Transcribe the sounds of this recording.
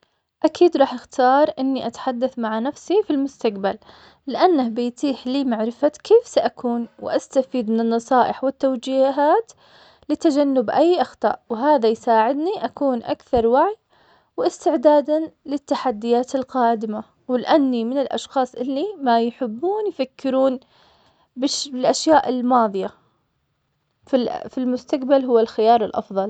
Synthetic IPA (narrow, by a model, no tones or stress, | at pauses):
ʔakʰiːd̪ɾˤɑːħɪxt̪ɑːɾˤʔɪnːiʔat̪ḁħad̪ːaθmaʕanafsifilmʊst̪aq̚bal | lɪʔanːahbɪjt̪ˤiːħliːmaʕɾɪfakʰeːfsaʔakʰuːnwʔast̪afiːd̪mɪnɪnːɑsˤɑːʔɪħwɪt̪ːawd͡ʒiːɦaːt̪ | lɪt̪ːad͡ʒanːʊbʔajːʔɑxt̪ˤɑ̰ːʔwɪɦaːðajsaːʕɪd̪niʔakuːnʔa̰kθɑɾˤwaʕj | wʔɪst̪ɪʕd̪aːd̪anlɪt̪ːaħad̪ːɪjaːt̪ɪlqɑːd̪ɪma | wɪlɪʔanːimɪnɪlʔɑ̰ʃxɑːsˤʔɪlːimajħɪbːuːnjfakːɪɾuːn | bɪʃbɪlʔaʃjaːʔɪlmɑːðˤɨja | ffilmʊst̪aqbalɦʊwːalxɪjɑːɾˤɪlʔɑ̰fðˤɑl